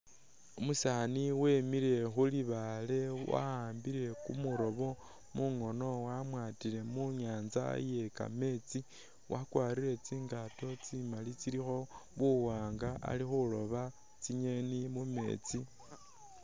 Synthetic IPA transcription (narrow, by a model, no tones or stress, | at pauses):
umusaniwe̞miɾe̞xuliβale̞wa̰haːmbiɾe̞kṵmuɾo̞βo̞ | muŋo̞no̞wamwaːtile̞muɲaːnza̰je̞ka̰me̞t͡si | wʔakwaːɾiɾe̞t͡siːŋɡato̞t͡simalit͡siɾixo̞βuwaːŋɡaʔa̰lixulo̞βa | t͡siɲe̞nimume̞̰ːt͡si